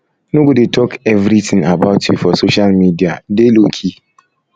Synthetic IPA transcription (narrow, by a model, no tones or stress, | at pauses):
nũɡudetʰɔkɛvɾitʰɪ̃ŋabaʊtʰitfɔsoʃalmidia̰delokʰi